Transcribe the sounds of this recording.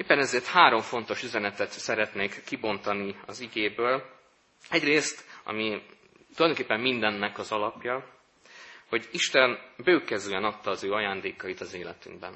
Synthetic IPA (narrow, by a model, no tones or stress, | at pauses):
eːpːɛnɛzeːrt̪haːɾo̞ɱfo̞n̪t̪o̞ʃyzɛnɛt̪ɛt̪sɛɾɛt̪neːkːibo̞nt̪ɒniɒ̰ziɡeːbøːl | ɛɟreːst̪ɒ̰mi | t̪ulɒjdoŋkeːpːɛmːind̪ɛnːɛkɒzɒlɒpjɒ | ho̞ɟiʃt̪ɛnbøːkɛzyɛnɒt̪ːɒːzøːɒjaːnd̪eːkɒit̪ɒzeːlɛ̰t̪yŋɡbɛ̰n